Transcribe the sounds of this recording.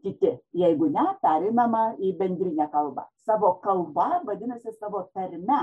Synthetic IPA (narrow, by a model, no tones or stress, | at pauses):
kʲɪt̪ʲɪjɛɪɡʊnʲɛpʲæɾʲɛɪnɐmɐiːbʲɛnʲd̪ʲɾʲɪnʲækɐlˠbɐ̰sɑːʋoːkɐlˠbɐʋɐd̪ʲɪnɐsʲɪsɑːʋoːt̪ɐɾʲmʲɛ